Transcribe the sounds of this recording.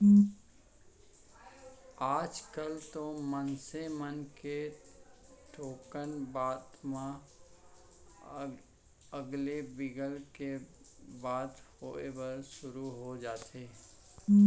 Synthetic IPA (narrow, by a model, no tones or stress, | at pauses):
aːd͡ʒkəlt̪omənsemənke | ʈʰoːkənbaːd̪mã | əɡlebɪɡəlke | baːd̪hoebəɾʃʊɾuɦod͡ʒaːt̪ʰeː